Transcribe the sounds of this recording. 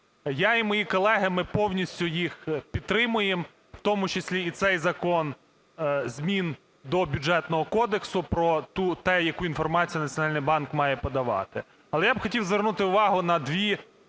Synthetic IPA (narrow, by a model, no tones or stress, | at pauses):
jaimɔjikɔlˠɛɦɪmɪpɔwnʲisʲtʲʊjixpʲit̪̚t̪ːɾɪmʊjem | wt̪ɔmʊt͡ʃesʲlʲiːt̪sɛjzɐkɔn | zʲmʲin | d̪ɔbʲʊdd͡ʒɛt̪nɔɦɔkɔd̪eksʊpɾɔt̪ut̪ɛjɐkuinfɔrmɑt͡sʲijɐnɐt͡sʲjɔnɑlʲnɪjbɑnkmɑjɛpɔd̪ɐʋɑ̰t̪ɪ | ɐlˠɛjabxɔtʲiwzʋernut̪ɪʊʋɑɦʊnɐd̪ʋʲi